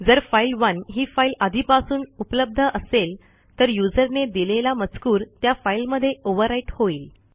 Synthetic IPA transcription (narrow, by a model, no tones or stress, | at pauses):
d͡zəɾfailʋənɦiːfailad̪ʱipasuːnupləb̚d̪ʱəʔəsel | t̪əɾjud͡zəɾned̪ilelamət͡skuːɾt̪jafailməd̪ʱːjeoʋəɾaiʈhoiːl